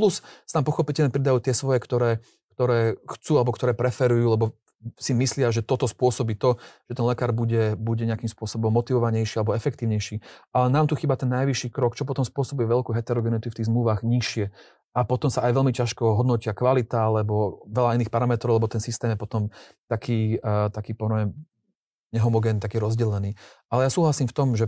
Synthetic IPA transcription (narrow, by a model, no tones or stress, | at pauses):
plussnaːmpɔxɔpicɛlɲɛpɾid̪ajuːt̪ɪɛsʋɔjɛkt̪ɔɾɛː | kt̪ɔɾɛːxt͡suːalɛbɔkt̪ɔɾɛːpɾɛfɛɾujuːlɛbɔ | simislɪaʒɛt̪ɔt̪ɔspʊɔsɔbiːt̪ɔʒ̥ɛt̪ɛnlɛkaːɾbuɟɛbuɟɛɲɪakiːmspʊɔsɔbɔmːɔt̪iʋɔʋaɲɛjʃialɛbɔɛfɛkt̪iːʊɲɛjʃiːalɛnaːmt̪uxiːbat̪ɛnːajʋiʃːiːkɾɔkt͡ʃɔp̬ɔt̪ɔmspʊɔsɔbujɛʋɛlkuːɦɛt̪ɛɾɔɡɛnit̪uft̪iːɣzmluʋaɣɲiʃɪɛ | apɔt̪ɔmsaajʋɛlmicaʃkɔɦɔd̪nɔcɪakʋalit̪aalɛbɔʋɛlainiːxpaɾamɛt̪ɾɔʊlɛbɔt̪ɛnsist̪ɛːmjɛpɔt̪ɔm | t̪akʰiːt̪akiːpɔɛm | ɲɛɦɔmɔɡɛːnt̪akiːɾɔzɟɛlɛniːʔalɛjasuːɦlasiːmft̪ɔmʒɛ